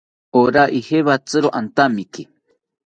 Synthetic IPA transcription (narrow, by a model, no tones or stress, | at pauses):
oɾaʔiheβat͡sɨɾoʔant̪amike